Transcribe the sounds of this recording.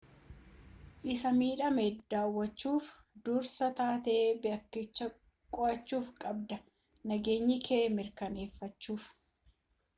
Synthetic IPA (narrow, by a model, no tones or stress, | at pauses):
ʔɪsɐmiːᶑɐmeːd̪̥aːwːɐt͡ʃːuːf | d̪uːɾsɐt̪aːt̪ebɪɐkːɪt͡ʃːɐ | kʼɔʔɐt͡ʃːuːfkʼɐbd̪ɐ | nɐɡe̞ːɲːɪkʰeːmɪɾkɐne̞ːfːɐt͡ʃːuːf